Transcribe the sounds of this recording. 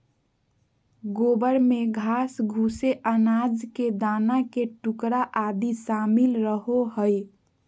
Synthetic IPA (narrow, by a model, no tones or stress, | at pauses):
ɡobəɾmeɡʱasɡʱuseʔənad͡ʒked̪anakeʈukɾaʔad̪isamilɾəɦoɦəj